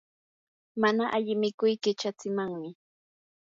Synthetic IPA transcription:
manaʔaʎɪmɪkʊjkɪt͡ʃat͡sɪmaŋmɪ

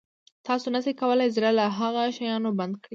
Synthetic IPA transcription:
t̪ɑsonasekawəlajzɾalaɦaɣaʃajɑnoband̪̚kɽi

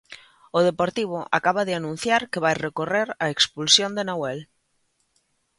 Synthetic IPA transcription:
oð̞epoɾt̪iβ̞oʔa̰kaβaðɪanũn̟θjaɾkeβajrekoreɾaekspulsjõnd̪enawɛl

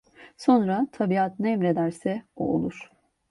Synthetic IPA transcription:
so̞nɾat̪ʰabiat̪nɛmɾe̞d̪æɾsɛṵo̰lˠuɾ̥

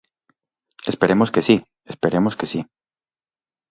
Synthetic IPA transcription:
espe̞ɾemoskesi | espeɾemoskesi

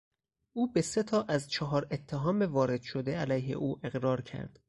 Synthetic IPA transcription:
ʔuːbe̞se̞t̪ʰɒːʔæzt͡ʃʰɒɦɒːɾe̞t̪ʰːeɦɒːmevɒːɾe̞d̪̥ʃod̪eælæjɦḛʔuːʔe̞ɣɾɒːɾcʰæ̰ɾd̪̥

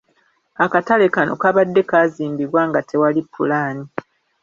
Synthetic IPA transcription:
akatale̞kano̞̰kaβadːe̞kaːziːmbiɾwaːŋɡatʰe̞walipʰːulaːni

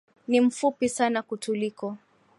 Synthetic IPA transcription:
nim̩fupisanakutʰulikɔ

